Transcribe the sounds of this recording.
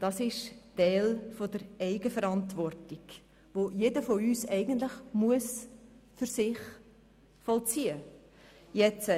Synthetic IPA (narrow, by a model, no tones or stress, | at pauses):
d̥ɑsɪʃtɛːlfod̥əɾɛɪɡəfəɾɑntvɔrtiɡ̥ | ʋojedəfoyːsɛɪɡən̩tlɪχmuəsfʏɾsɪχ | fɔlt͡siːə | jɛt͡sə